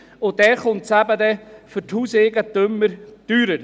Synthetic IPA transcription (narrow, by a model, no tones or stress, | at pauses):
ʊdɛχʊntsæbəd̪ɛfʏɾthuːseːɡət̪ɵmːəɾd̥yːɾəɾ